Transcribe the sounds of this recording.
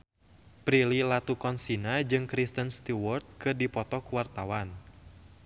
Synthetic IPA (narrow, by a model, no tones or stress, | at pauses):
pɾililat̪ukɔnsinad͡ʒɨŋkɾist̪ənst̪iwɔrt̪̚kɨrdipɔt̪ɔkuwart̪awan